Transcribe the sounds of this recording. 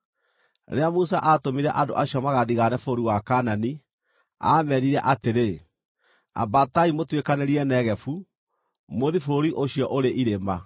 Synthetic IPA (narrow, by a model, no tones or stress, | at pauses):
ɾeamusaʔaːtomiɾɛʔando̰ʔaɕiɔmaɣaðiɣanɛfoɾiwakaːnani | a̰mɛɾiɾɛʔateɾe | a̰bataimotwekaneɾiɛnɛɣɛfu | moðifoɾiʔoɕiɔʔoɾeʔiɾema